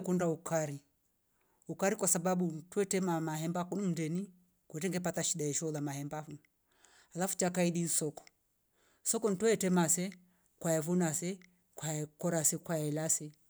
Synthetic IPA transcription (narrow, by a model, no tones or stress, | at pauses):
kundaukaɾi | ukaɾikwasaɓaɓuntwɛtɛmamahɛmbakunum̩ndɛni | kwɛt̬ɛŋɡɛpataʃiɗaɛʃɔlamahɛmbaun | halafu̥t͡ʃakaiɗinsɔkɔ̥ | sɔkɔn̩twɛtɛmasɛ | kwaɛvunasɛ | kwakɔɾasɛkwaɛlasɛ